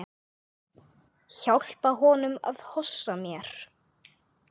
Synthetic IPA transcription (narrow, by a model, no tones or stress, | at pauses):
çawl̥paɦɔːnʏma̰ðhɔsːamjɛɾ̥